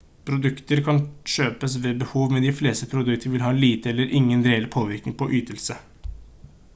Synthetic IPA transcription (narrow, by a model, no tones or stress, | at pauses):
pʰɾʊd̪ʉkt̪əɾkʰɑnʃøːpəsʋeːbəhuːʋmɛnd̪ɪfleːst̪əpʰɾʊd̪ʉk̚t̪ʰəɾʋɪlɦɑːliːt̪əɛlːəɾʔɪŋːənd̪ɾeːləɾpʰoːʋɪɾknɪŋpʰɔʔyːt̪əlsə